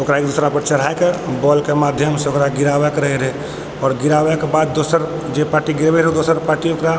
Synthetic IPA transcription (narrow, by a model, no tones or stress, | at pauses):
okɾaekd̪usɾapəɾt͡ʃəɾ̤aekebɔlkemad̪ʱjəmseokɾaɡiɾabɛkɾəɦɛɾɛ | ɔːɾɡiɾabɛkebad̪ːosəɾ | d͡ʒepaːɾʈiɡiɾbɛɾɦɛd̪osəɾpaːɾʈiokɾa